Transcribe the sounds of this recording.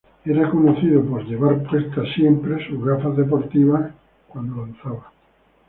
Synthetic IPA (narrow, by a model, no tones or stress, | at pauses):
eɾakonoθiðopozʎeβaɾpwest̪asjempɾesuɣaθaðepoɾt̪iβa | kwand̪olanθaβa